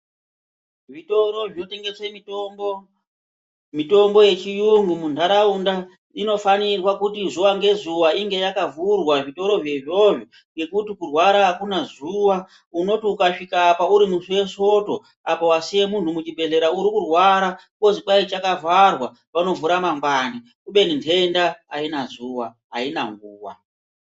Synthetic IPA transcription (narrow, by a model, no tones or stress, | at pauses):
ʐitoɾo̞ʐote̞ŋɡe̞semitombo | mito̞mbo̞je̞t͡ʃijuŋɡumundaɾaunda | ino̞fanirwakutizuʋaŋɡe̞zuʋaiŋɡe̞jakavurwaʐito̞ɾo̞ʐjeʐo̞ʐo | ŋɡe̞kutikurwaɾaːkunazuwa | uno̞tiukaʂikaːpauɾimusiwe̞so̞to̞ | apo̞wasije̞mun̤umut͡ʃibʱe̞ɮe̞ɾauɾikurwaɾa | ko̞zipait͡ʃakavarwa | pano̞vuɾamaŋɡwani | kuɓe̞nintʰe̞ndaainazuwa | ɦa̰ina̰ŋɡuːwa̰